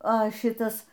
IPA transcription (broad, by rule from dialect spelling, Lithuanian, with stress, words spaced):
ɐ ˈʃʲɪtɐs